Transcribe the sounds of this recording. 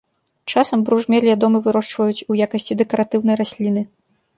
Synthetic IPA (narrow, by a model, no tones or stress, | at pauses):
t͡ʂasɐmbɾuʐmʲɛlʲvʲad̪ɔmɨvɨɾɔʂt͡ʂvɐjut͡sʲujakɐsʲt͡sʲid̪ɛkɐɾʔat̪ɨwn̪ɐjɾasʲlʲin̪ɨ